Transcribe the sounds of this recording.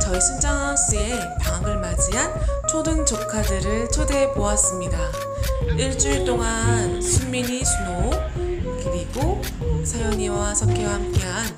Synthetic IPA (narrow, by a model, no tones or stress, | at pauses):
t͡ɕʌiɕʰind͡ʑaŋas͈ie̞ | paŋaɡɯɭmad͡ʑiɦant͡ɕʰodɯnt͡ɕokʰadɯɾɯɭt͡ɕʰode̞poas͈ɯmɲida | iɭt͡ɕ͈uiɭt͈oŋansʰunmiɲisʰuno | kɯɾiɡo | sʰajʌɲiwasʰʌp̚k͈ewahamk͈e̞ɦan